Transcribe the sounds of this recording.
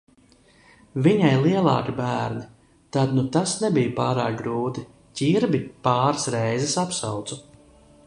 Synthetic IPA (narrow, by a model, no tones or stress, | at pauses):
viɲajlˠiɛlˠɑ̰ːkibæːɾni | t̪ad̪nut̪asnɛbijpaːɾaːk̚ɡɾuːt̪i | cʲiɾbipaːɾsɾɛjzɛsapsawt̪su